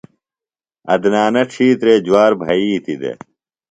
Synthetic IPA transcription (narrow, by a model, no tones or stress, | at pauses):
ɐ̰d̪naːnɐʈ͡ʂʰiːt̪ɾeːd͡ʑuwaːɾbʱɐiːt̪id̪ḛ